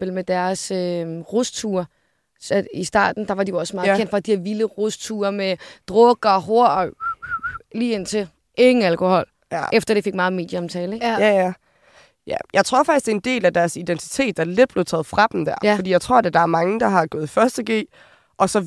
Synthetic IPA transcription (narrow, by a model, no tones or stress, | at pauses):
b̥elmed̥æɐsøʁost͡sʰuːɐ | sɒisd̥ɑ̰̈ːd̥n̩d̥ɑ̈ʋɑ̈d̥ijoɒ̽smɑ̈ːð̩ˠbʰen̰d̥fɑ̈d̥iheɐʋiləʁost͡sʰuːɐmed̥ʁɔɡ̥ɐɦo̝ɐ̰ɒ | liːe̝n̰t͡sʰe̝ | ʔe̝ŋn̩ælkʰo̝hɒ̽l̰ | efd̥ɐd̥e̝fe̝ɡ̥mɑ̈ːð̞̩ˠme̝̰ːd̥jəɒ̽mt͡sʰɛːleɡæjæ | jæjʔɑ̈ɪt͡sʰʁo̝ɐ̰fɑ̈ɡ̥isd̥e̝end̥e̝̰ːlæd̥æɐsid̥ent͡sʰi̥t͡sʰe̝̰ːd̥æle̝d̥b̥le̝ʊt͡sʰɛ̰ːð̩ˠfʁɑ̈d̥m̩d̥æɐ̰ɒdḭjɑɪt͡sʰʁo̝ɐ̰dæd̥ɑ̈æɐmɑ̈ŋəd̥ɑ̈ɦɑ̈ɡ̥ɔ̽ːð̞̩ˠfɶɐsd̥əɡ̥e̝̰ː | ʔɒ̽sɒ̽